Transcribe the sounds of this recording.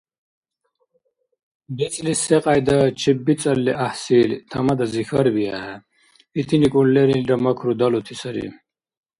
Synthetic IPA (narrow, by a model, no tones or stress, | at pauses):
bet͡sʼliseqʼajd̪ɐt͡ɕʰibːit͡sʼɐlːiʔahsilt̪ʰɐmɐd̪ɐzixɐɾbiɐhɛ | it̪ʰinikʼulleɾinɾɐmɐkʰɾud̪ɐlot̪ʰisɐɾḭ